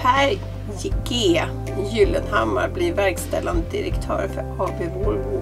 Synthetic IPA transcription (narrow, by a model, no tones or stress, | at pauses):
æɾ | jɪɡeː | jʉːlənha̰mːa̰ɾblɪvæɾkst̪ɛ̰lːand̪əd̪ɪ̰ɾɛ̰kt̪ʰœ̰ːɾfœhɑːbevɔɾvu